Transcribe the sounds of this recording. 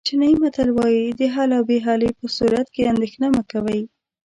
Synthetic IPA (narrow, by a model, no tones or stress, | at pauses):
t͡ʃɪnaimat̪alwɑjid̪əɦɑlawbeɦɑlepəsuɾat̪̚keand̪exnaməkawaj